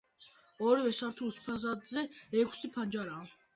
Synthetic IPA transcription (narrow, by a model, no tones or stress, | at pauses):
ɔɾivɛsaɾt̪ʰuspʰazad̪zɛɛkʷʰsipʰand͡ʒaɾaː